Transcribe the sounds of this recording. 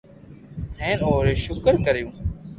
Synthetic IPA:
ɦẽːnoːɾeːʃʊkəɾkəɾjũː

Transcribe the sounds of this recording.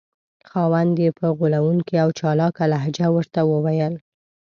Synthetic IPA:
xɑwand̪jepəɣulawuŋkiawt͡ʃɑlɑkalaɦd͡ʒawəɾt̪awəwajəl

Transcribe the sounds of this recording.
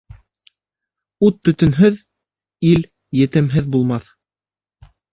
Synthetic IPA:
ut̪ːɵ̆t̪ɵ̆nɦɵð | il | jɘ̆t̪ɘ̆mɦɘðbulˠmɑθ

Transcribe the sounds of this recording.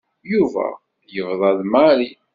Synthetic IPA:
juvæ̰ | jəvðˤɑðmaɾi

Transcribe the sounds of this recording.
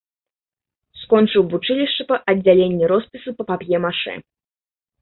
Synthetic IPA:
skɔnt͡ʂɨwbut͡ʂɨlʲiʂt͡ʂɐpɐʔɐd͡zʲalʲenʲːiɾɔspʲisupɐpapʲjɛmaʂɨ̰

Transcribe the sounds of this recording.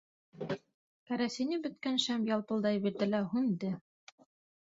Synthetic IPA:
kæɾæsĭnɘbɵ̆t̪̚kænʃæmjɑlˠpɤ̆lˠd̪ɑjbiɾd̪ɘ̆læɦʉnd̪ɘ

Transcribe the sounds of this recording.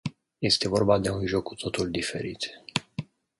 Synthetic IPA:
je̞st̪e̞vo̞rbad̪e̞unʒo̞kːut̪ʰo̞t̪ulʲd̪ife̞̰ɾḭt̪

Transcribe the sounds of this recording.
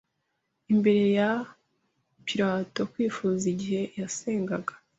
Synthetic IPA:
imbe̞ɾe̞ja | piɾaːto̞kwiːfuːziɟihe̞jase̞ːŋɡaɡḁ

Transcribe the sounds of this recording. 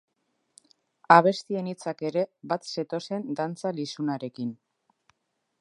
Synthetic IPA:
aβ̞e̞st̪ie̞nit͡sake̞ɾe̞bat̪se̞t̪o̞se̞nd̪ant͡salisunaɾe̞kin

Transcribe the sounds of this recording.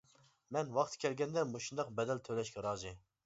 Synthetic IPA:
mɛnwɑχt̪ʰkʲʰɛlɡʲɛnd̪ɛmoʃund̪ɑq̚bɛd̪ɛlt̪ʰølɛʃkʲɛɾɑːzɨ

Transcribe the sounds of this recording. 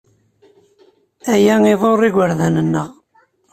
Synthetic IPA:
æjæŋiðˤorˤːiɡʷəɾðænənːəʁ

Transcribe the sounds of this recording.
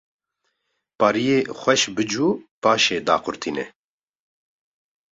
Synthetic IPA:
pɑːɾijeːxʷɛʃbɨd͡ʒuːpaːʃeːd̪aːqʊɾt̪ʰiːnɛ̰

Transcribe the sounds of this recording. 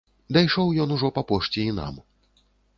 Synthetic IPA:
d̪ajʂɔwjɔnuʐɔpɐpɔʂt͡sʲɛina̰m

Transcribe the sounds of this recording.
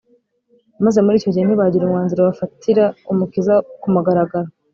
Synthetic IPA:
maze̞muɾiːco̞ɟieniβaɟiɾumŋaːnziɾaβafatiɾaumukizakumuɡaɾaɡaɾa

